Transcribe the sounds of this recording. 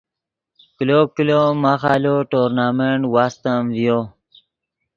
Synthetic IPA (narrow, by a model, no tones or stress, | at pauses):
kilokilomaxaloʈoɾnameɳʈwast̪əmvjo